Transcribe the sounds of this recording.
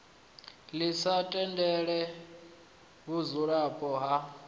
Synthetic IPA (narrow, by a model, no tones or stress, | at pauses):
lisatʼɛndʱɛɺɛ | βuzuɺapʼɔɦa